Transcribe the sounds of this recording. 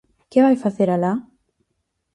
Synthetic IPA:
keβajfaθeɾala

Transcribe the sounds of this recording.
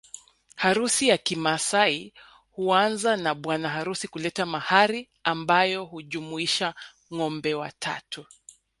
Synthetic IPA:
haɾusijakimasai | huanzanaɓwanaɦaɾusikulɛtamahaɾi | ambajɔhuʄumuiʃa | ŋɔmbɛwa̰tʰa̰tu

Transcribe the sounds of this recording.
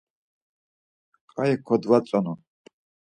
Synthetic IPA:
qʼajɛkʰɔd̪vat͡sʼɔnu

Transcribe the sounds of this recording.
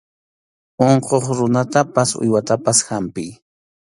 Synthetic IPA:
oɴqoχɾʊnat̪apasʊ̰jwat̪apasxampɪj

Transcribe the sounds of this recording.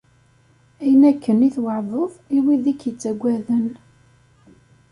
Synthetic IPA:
æjənækːəniθwəʕðˤəðˤiwiðikjət͡sːæɡʷːæðən

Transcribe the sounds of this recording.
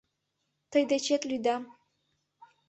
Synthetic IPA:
t̪ʰajd̪ɐt͡ʃʰet̪ʼlyjd̪am

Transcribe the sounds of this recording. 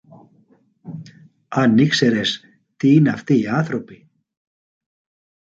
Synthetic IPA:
anːɪksɛɾɛs | t̪ʰiːnafθiaːθɾowpɪ

